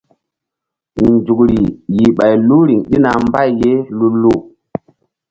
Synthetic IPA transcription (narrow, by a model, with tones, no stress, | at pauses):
nd͡ʒu˨kɾi˨ji˨ɓa˨jlu˦ɾi˨ŋɗi˦na˨mba˦˨jːe˦lu˦lu˦˨